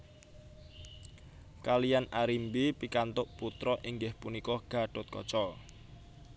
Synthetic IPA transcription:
kalijanaɾimbipikant̪ʊʔput̪ɾɔʔiŋɡɪhpunikɔɡ̥a̤ɖ̥ɔt̪̚kɔt͡ʃɔ

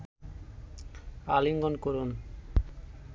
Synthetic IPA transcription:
aliŋɡonkoɾun

